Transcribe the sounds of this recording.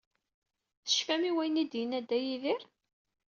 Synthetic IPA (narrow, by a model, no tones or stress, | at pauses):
θə̥ʃfæmiwæjənid̪jənæd̪ːæjiðɪɾ